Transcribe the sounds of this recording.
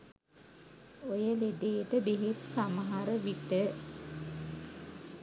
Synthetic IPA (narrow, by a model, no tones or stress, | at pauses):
ojəled̪ejʈəbeɦet̪saməɦaɾəʋiʈə